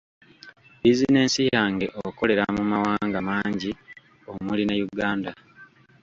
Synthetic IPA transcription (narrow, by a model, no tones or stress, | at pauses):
bizine̞ːnsijaŋɡe̞ʔoko̞le̞ɾamumawaːŋɡamaːɲɟi | o̞mulinejuɡaːnda